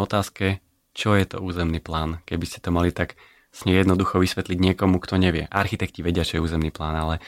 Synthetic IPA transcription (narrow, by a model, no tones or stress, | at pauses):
ɔt̪aːskɛ | t͡ʃɔjɛt̪ɔ̰uːzɛmniːplaːnkɛbiscɛ̥t̪ɔmalit̪ak | sɲɛjɛd̪nɔd̪uxɔʋisʋɛt̪liɟɲɪɛkɔmukt̪ɔɲɛʋɪɛʔaɾxit̪ɛkciʋɛɟɪat͡ʃɔjɛuːzɛmniːplaːnalɛ